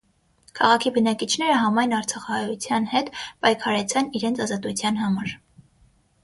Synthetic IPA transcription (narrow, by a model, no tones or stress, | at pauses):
kʰɑʁɑkʰibənɑkit͡ʃʰn̪ɛɾəɦɑmɑjnɑɾt͡sʰɑχɑhɑjut͡sʰjɑnhɛt̪pɑjkʰɑɾɛt͡sʰɛniɾɛnt͡sʰɑzɑt̪ut͡sʰjɑnɦɑmɑɾ